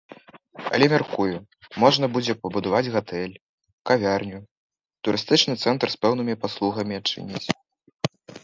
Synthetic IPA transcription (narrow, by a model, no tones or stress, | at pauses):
ɐ̰lʲɛmʲarkuju | mɔʐnɐbud͡zʲɛpɐbud̪avad͡zʲɣat̪ɛlʲ | kavʲarnʲu | t̪uɾɨst̪ɨt͡ʂnɨt̪sɛnt̪rspɛwnɨmʲipaslˠuɣɐmʲiat͡ʂɨ̰nʲḭt͡sʲ